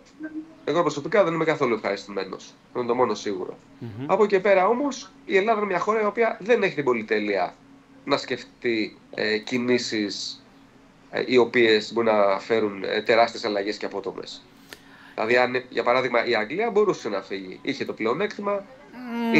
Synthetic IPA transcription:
eɣo̞pɾoso̞pikɐðe̞nime̞kɐθo̞luefxɐɾist̪ume̞no̞̰s | ind̪o̞mo̞no̞siɣṵɾo̞̰ | ɐpo̞ce̞pe̞ɾɐo̞mo̞s | ie̞lɐðɐinemɲɐxo̞ɾɐio̞piɐðe̞ne̞çet̪ibo̞lit̪e̞liɐ̰ | nɐsce̞ft̪i | cinisis | io̞pie̞sbo̞ɾinɐfe̞ɾun̰t̪e̞ɾɐst̪ie̞sɐlɐʝe̞sceɐpo̞t̪o̞me̞̰s | ðilɐ̰ðiɐnʝɐpɐɾɐðiɣmɐʔiɐŋɡliɐbo̞ɾuse̞nɐfiʝḭiçe̞t̪o̞ple̞o̞ne̞kt̪imɐ

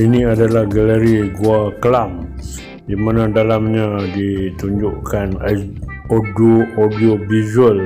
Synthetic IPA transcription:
inĩadalahɡaləɾiɡuaklam | dimanadalamɲadit̪uɲd͡ʒʊʔkʰana | odoodiobizuəl

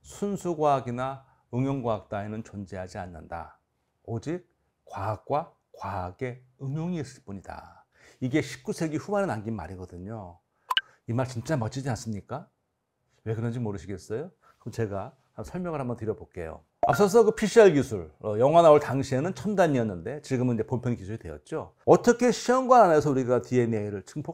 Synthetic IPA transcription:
sʰunsʰuɡwaaɡina | ɯŋjoŋɡwaak̚t͈aenɯnt͡ɕond͡ʑeɦad͡ʑianːɯnda̰ | od͡ʑik̚ | k͈waak̚k͈wa | kwaaɡe̞ɯŋjoŋiːs͈ɯɭp͈uɲida̰ | iɡe̞ɕʰi̥k̚k͈usʰe̞ɡiɸumaɾenaŋɡinma̰ɾiɡʌdɯɲo | imaɭt͡ɕint͡ɕ͈amʌt͡ɕ͈ʰid͡ʑians͈ɯmɲik͈a | we̞kɯɾʌnd͡ʑimoɾɯɕʰiɡe̞s͈ʌjo | ʌt͡ɕe̞ɡa | hasʰʌɭmjʌŋɯɭɦambʌntɯɾjʌbok͈e̞̰jo̰ | a̰p̚s͈ʌs̬ʰʌkɯpʰiɕʰiaɭkisʰuɭʌjʌŋwanaoɭtaŋɕʰienɯnt͡ɕʰʌmndaɲiʌnːɯnde̞t͡ɕiɡɯmɯnid͡ʑe̞pompʰjʌnkusʰuɾidwejʌ̰t̚t͡ɕ͈o | ʌt͈ʌkʰe̞ɕʰiʌŋɡwanane̞sʰʌuɾiɡatie̞neiɾɯɭt͡ɕʰɯŋpʰo

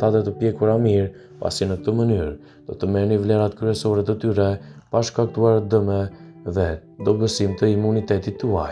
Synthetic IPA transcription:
t̪at̪ɛt̪əpjɛkuɾamiɾ | pa̰sinək̚t̪əmənyɾ | d̪̥ɔt̪əmɛnivlɛɾat̪kɾyɛsɔɾɛt̪ət̪yɾɛpaʃkakt̪uaɾd̪əmɛ | ðɛ | d̪ɔbəsimt̪əimunit̪ɛt̪it̪ːəa

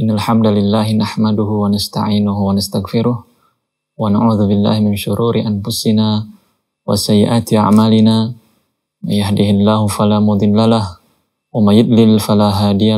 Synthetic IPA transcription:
ʔɪnːalħamd̪alɪlːaːhɪnaħmad̪ʊhʊwanast̪a̰ʕiːnʊhwanast̪aɣfɪɾʊh | wanaʕuːðʊbɪlːa̰ːhɪmɪnʃʊɾʔuːɾɪʔanfʊsɪnaː | wa̰sajːɪʔaːt̪ɪʔa̰ʕmaːlɪnaː | manjahd̪ɪhɪlːaːhʊfalaːmʊd̪ˤɨlːalah | wamanjʊd̪ˤlɪlfalaːɦaːd̪ɪja

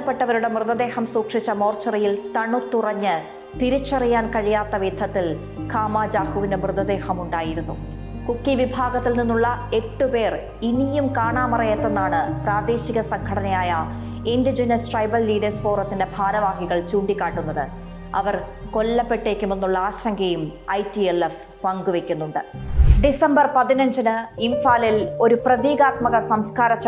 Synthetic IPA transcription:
ɐpːe̞ʈːɐʋɐɾuɽe̞mrɨðɐd̪e̞ːhɐmsuːkʂit͡ɕːɐmo̞ːrt͡ɕːɐrijilt̪ɐɳut̪ːurɐɲːɨ | t̪iɾut͡ɕːɐrijaːnkɐɻijaːt̪ːɐʋid̪ʰʱːɐt̪ːil | kʰaːmaːd͡ʑaːhuʋinɨmrɨðɐd̪e̞ːhɐmuɳɖaːjiɾunːu | kukːiʋibʱaːɡɐt̪ːilninːuɭːɐe̞ʈːupe̞ːr | inijumkaːɳaːmɐrɐjɐt̪ːe̞nːaːɳɨpraːd̪e̞ːɕiɣɐsɐŋkʰɐɽɐnɐjaːjɐ | indid͡ʑɐnɐsʈrɐjbɐlːiːɽɐspoːrɐt̪ːindebʱaːɾɐʋaːhiɣɐɭt͡ɕuːɳɖikʲːaːʈːunːɐðɨ | ɐ̰ʋɐr | ko̞lːɐpːe̞ʈːe̞ːkːumenːuɭːɐaːɕɐŋɡɐjumɐjtielef | pɐŋɡuʋekʲːun̪ːuɳɖɨɖisɐmbɐrpɐðinɐɲd͡ʑɐnɨimfaːlilo̞ɾuprɐðiːɣaːt̪mɐɣɐsɐmskaːɾɐt͡ɕː

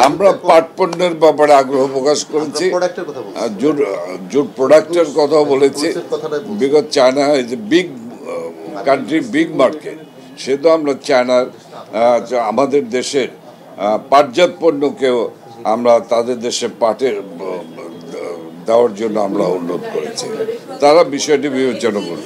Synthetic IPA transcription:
amɾapaɾʈ̚ponːeɾbɛpaɾeaɡɾoɦopɾokaʃkoɾet͡ɕʰi | d͡ʑud͡ʑuɖpɾoɽak̚ʈeɾkɔt̪ʰaobolet͡ɕʰibiɡot̪t͡ɕaenaed͡ʑebiɡ | kaɳʈɾibiɡmaɾkḛʈ̚ | ʃeɦt̪̬oamɾat͡ɕaenaɾ | amad̪eɾd̪eʃeɾ | paɾd͡ʑat̪̚ponːokeo | amɾat̪ad̪eɾd̪eʃeɾpaʈeɾ | d̪eoaɾd͡ʑonːoa̰mɾa̰ṵnːot̪̚koɾḛt͡ɕʰḭt̪aɾabiʃɔeʈ̬ibibet͡ɕonoko̰ɾ

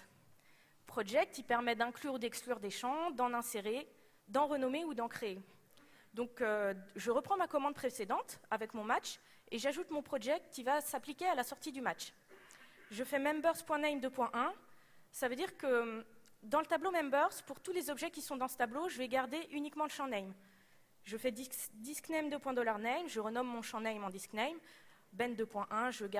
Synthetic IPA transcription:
pχɔʒɛk̚t̪ipɛʁmɛd̪ɛ̃klyʁud̪ɛksklyʁd̪eʃɑ̃d̪ɑ̃nɛ̃seʁe | d̪ɑ̃ʁənɔmeud̪ɑ̃kχeː | d̪ɔ̃køʒəʁəpχɑ̃makɔmɑ̃d̪̚pχesed̪ɑ̃t̪avɛkmɔ̃mat͡ʃ | eʒaʒut̪mɔ̃pχɔʒɛk̚t̪ivasaplikʲealasɔʁt̪id̪ymat͡ʃ | ʒəfɛmɛmbœʁspwɛ̃nɛjmd̪øpwɛ̃ʔɛ̃ | savød̪iʁkə | d̪ɑ̃lət̪ablomɛmbœʁzpuʁt̪ulezɔbʒɛkʲisɔ̃d̪ɑ̃sə̥t̪abloʒəvɛɡaʁd̪eʔynikmɑ̃ləʃɑ̃nɛjm | ʒəfɛd̪id̪isknɛjmd̪əpwɛ̃d̪ɔlaʁnɛjmʒəʁənɔmːɔ̃ʃɑ̃nɛjmɑ̃d̪isknɛjm | bɛnd̪øpwɛ̃ʔɛ̃ʒəɡa

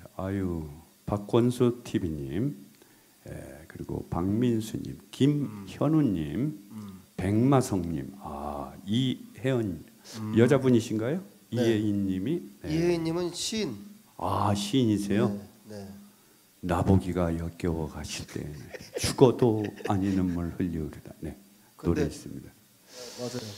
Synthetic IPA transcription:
aju | pak͈wʌnsʰutʰibiɲim | jḛkɯɾiɡo̰paŋminsʰuɲḭmkimçʌnuɲːim | pe̞ŋmasʰʌŋɲḭma̰iheʌɲ | jʌd͡ʑabuɲiɕʰinɡajo | ieiɲːimineeiɲimɯnɕʰin | aɕʰiɲisʰe̞jon | naboɡiɡajʌk͈jʌwʌɡaɕʰiɭt͈e̞̰nɯnt͡ɕuɡʌdoaɲinɯnmunɭɸɯʎːioɾedane̞ | t͈oɾeis͈ɯmɲid̥a

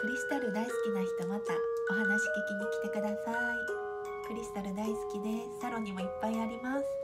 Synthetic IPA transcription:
kɯ̟ɾʲisɨ̥t̪aɾɯ̟d̪aisɨ̥kʲinaçi̥t̪o̞mat̪ao̞ɦanaɕi̥k̪e̞kʲiɲ̟ikʲi̥t̪e̞kɯ̟d̪asai | kɯ̟ɾʲisɨ̥t̪aɾɯ̟d̪aisɨ̥kʲid̪e̞ | saɾo̞ɲ̟imo̞ipːaiaɾʲimasɨ̥

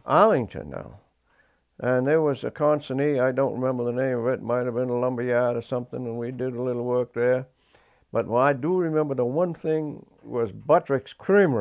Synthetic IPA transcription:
ʔælˠɪ̃ŋtʰɨ̰̃nːa̰ʊ | ʔɨ̃nə˞wʌzɨ̰kʰɑ̃nsɨniaɪdõʊ̃nʔɹɪmɛ̃mbə˞ðənẽɪ̃mʌvɨt̚maɪt̚hɨvbɨ̃nəlʌ̃mbiæɾə˞sʌ̃mθɪ̃ŋə̃nwidɨɾəlɪɾl̩ˠwɜ˞k̚ðə˞ | b̥ʌt̚waɪdəɹɨmɛ̃mbə˞ðəwʌ̃nθɪ̃ŋ | wʌzbʌt͡ʃɹ̥ɨkskʰɹ̥ĩmə

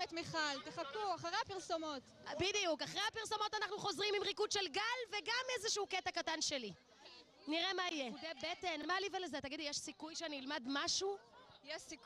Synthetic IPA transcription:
et̪miχalt̪eχakuaχaʁeapiʁsomo̞tbidijukaχʁejapiʁso̞mo̞tanaχnuχo̞zʁimimʁikudʃe̞lɡalveɡamezeʃuuketakatanʃe̞li | niʁemaijeud̪ebetenmalivelezetaɡidijeʃsikujʃeaniilmadmaʃuijɛsik

